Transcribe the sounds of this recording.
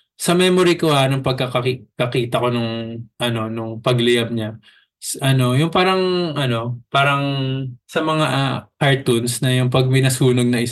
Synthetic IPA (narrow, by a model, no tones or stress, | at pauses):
sɐmɛːmoɾikohanɐŋpɐɡ̚kɐkɐkikɐkiːt̪ɐko̞nʊŋʔɐno̞nʊŋpɐɡlɪjɐb̚ɲa | sʔɐno̞jʊŋpaːɾɐŋʔɐno̞paːɾɐŋsɐmɐŋaʔkɐɹt̪unsnɐjʊŋpɐɡ̚mɪnɐsuːno̞ɡ̚nɐʔɪ